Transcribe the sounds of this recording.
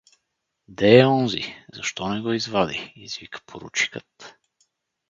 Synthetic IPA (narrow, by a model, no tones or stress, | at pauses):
d̪ɛːɔnzḭzɐ̰ʃt̪ɔnɛɡɔizvad̪iizvikə̥pʰoɾṵt͡ʃi̥kət̪